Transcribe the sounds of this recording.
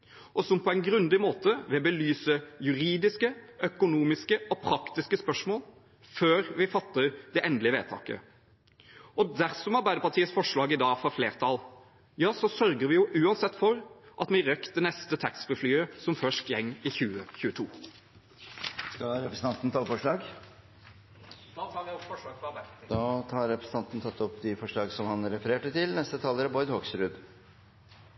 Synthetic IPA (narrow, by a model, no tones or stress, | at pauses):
ʔɔsɔmpʰɔæɪnɡɾʉnd̪ɪmoːt̪əʋɛbəlyːsəjʉɾiːd̪ɪskəœkʊnuːmɪskəɔpʰɾɑkt̪ɪskəspœʂmoːl | føːɾʋɪfɑt̪ːəɾd̪ɛʔɛnd̪lɪəʋḛːt̪ʰɑ̰ːkə̰ | ɔd̪æɾsɔmɑɾbæɪd̪əɾpɑʈʰiːət̪sfɔʂɭɑːɡɪd̪ɑːɡfɔfleːʁt̪ʰɑl | jɑːsɔsœɾɡəɾʋɪjʊʔʉːɑnsɛt̪ːfɔɾʔɑt̪mɪɾœkt̪ənɛst̪ət̪ʰɑksbəflyːəsɔmfœʂtjɛŋːɪçʉːəçʉːət̪ʰuː | skɑɾɛpɾəsən̩ʰɑnt̪n̩t̪ʰɑːfɔʂɭɑːɡ | ɔfɔʂːɡfɑb̪d̪ɑːt̪ʰɑːɾːɛpʰɾəsn̩t̪ɑnt̪n̩t̪ʰɑt̪ʰːɔpːd̪ɪfɔʂɭɑːɡsɔmhɑnɾɛfəɾeːʈət̪ʰɪlnɛst̪ət̪ʰɑːləɾəbɔʏd̪hɔksɾʉd̪